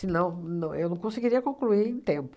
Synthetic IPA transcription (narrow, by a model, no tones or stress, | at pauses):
ɪnɐ̃w̃nɐ̃w̃ewnɐ̃w̃kõseɡiɾiɐkõkluiẽt̪ẽmpʊ